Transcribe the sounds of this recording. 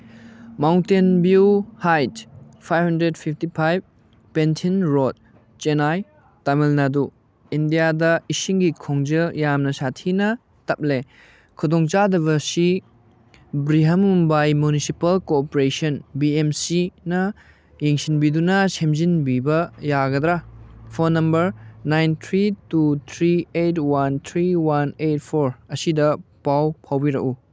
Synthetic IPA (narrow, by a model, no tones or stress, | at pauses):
mawntenbuhajtpʰajbhɐndɾed̚pʰip̚ʰtipʰajb̚ | pentʰinɾod̚ | t͡ʃenaj | tamelnadu | indijadɐisiŋɡikʰoŋd͡ʒɐjamnɐsatʰinɐ | tɐp̚le | kʰudoŋt͡ʃadɐβɐsi | bɾiɦɐmumbajmunisipɐlkopoɾesɐnbiemsinɐ | jeŋsinbidunɐsemzinbibɐjaɡɐd̪ɾapʰonːɐmbɐɾnajnt̪ʰɾitut̪ʰɾietwant̪ʰɾiwanet̚pʰoɾɐsidɐpawpʰawbiɾɐ̰ku